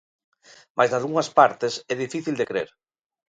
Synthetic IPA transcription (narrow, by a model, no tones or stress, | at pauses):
majzðaðɣuŋɐspaɾt̪ɪsɛðifiθild̪ekɾḛɾ